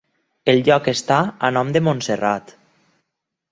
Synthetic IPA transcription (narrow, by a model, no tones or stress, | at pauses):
elʎɔkest̪aənɔmd̪emõnserat̪